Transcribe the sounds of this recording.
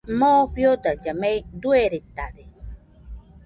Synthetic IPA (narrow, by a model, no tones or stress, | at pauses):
mopjod̪ad͡ʒamejd̪ueɾet̪ad̪e